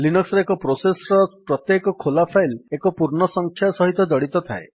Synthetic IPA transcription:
linɔksɾɔekɔpɾosesɔɾɔpɾɔt̪jekɔkʰolapʰajlekɔpuɾɳɔsɔŋkʰjasɔɦit̪ɔd͡ʒɔɽit̪ɔt̪ʰae

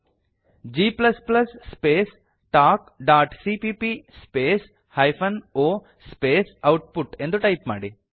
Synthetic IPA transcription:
d͡ʒiːplɐsplɐsːpeːs | ʈaːkɖaːʈsipiːpispeːs | hɐjpʰɐnoː | speːsɐwʈpuʈend̪uʈɐjpma̰ːɽi

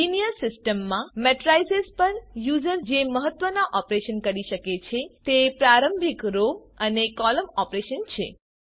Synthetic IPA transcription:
inijəɾsɪsʈəmːãmɛʈɾaisespəɾjud͡ʒəɾd͡ʒeməɦət̪ʋənaʔɔpɾeʃənkəɾiʃəket͡ʃʰet̪epɾaɾəmbʱikɾo | ənekɔləmɔpɾeʃənt͡ʃʰḛ

